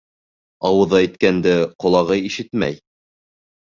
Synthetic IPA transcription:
ɑwɤ̆ðɑit̪kænd̪ɘqŏlˠɑʁɤiʃɘt̪mæ̰j

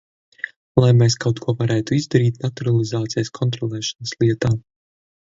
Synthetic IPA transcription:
lˠajmɛːskawt̪kʰuɔvaɾæːt̪uizd̪aɾiːt̪nat̪uɾalˠizaːt̪sijaskʰɔnt̪ɾɔlˠɛːʃanəslˠiɛt̪aː

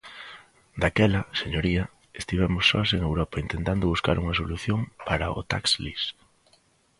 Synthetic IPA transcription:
d̪akɛlɐseɲoɾiɐ | est̪iβɛmʊsːɔ̰seŋewɾɔpɐint̪ent̪and̪ʊβuska̰ɾʔuŋɐsoluθjoŋpaɾɐo̰t̪a̰kslḭs

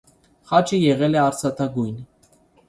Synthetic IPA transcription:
χɑt͡ʃʰəjɛʁɛlɛɑɾsɑt̪ʰɑɡujn

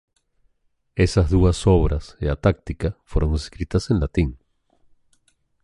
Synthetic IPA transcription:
e̞sazðuasoβɾʔaseat̪ak̚t̪ikafweɾõ̞neskɾit̪asenlat̪iŋ

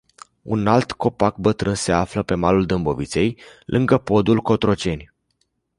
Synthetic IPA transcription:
ṵnalt̪ko̞pak̚bət̪ɾɨnse̞afləpe̞maluld̪ɨmbo̞vit̪se̞jlʔɨŋɡəpo̞d̪ulko̞t̪ɾo̞t͡ʃe̞nʲ

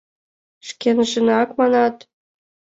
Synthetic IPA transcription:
ʃkʲenʒə̆nɑkmɑnɑt̪

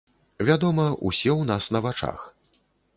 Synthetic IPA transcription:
vʲad̪ɔmɐʔṵsʲɛwnasnɐvat͡ʂa̰x

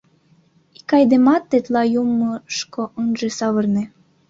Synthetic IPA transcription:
i̥kɑjd̪emɑt̪ːet̪lɑjumːəʃkoʔənʒesɑβɤrnĕ

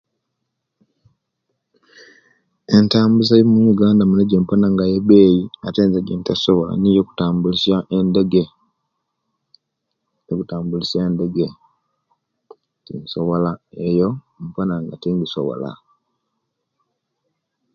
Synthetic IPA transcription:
entaːmbuzajomuɲuɡaːndamuneɟompanaŋɡajebeːjiateːnzaɡentasoβola̰niːjoku̥taːmbulisjaʔendeɡe | ekutaːmbuliseːnde̞ɡe | tḭnsoβolaejo | m̩panaŋɡatiŋɡiso̰βo̰la̰

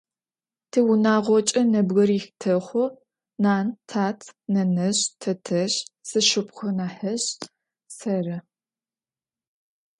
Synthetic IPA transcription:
tʰɨwunaːʁʷɔt͡ʃʼɐnɐbɣɐɾiːxtʰɐχʷʊ | naːntʰaːtʰnɐnɐɕtʰɐtʰɐɕsɨʃɪpχʷɐnaːħɐɕ | sɐrɐ

